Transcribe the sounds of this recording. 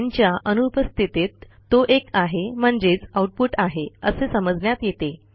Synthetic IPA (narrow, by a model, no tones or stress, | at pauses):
ɲt͡ɕjaʔənupəst̪ʰit̪et̪ː | oʔekaɦem̤əɳd͡zet͡sauʈ̚puʈaɦeəsesəməd͡znjat̪jet̪e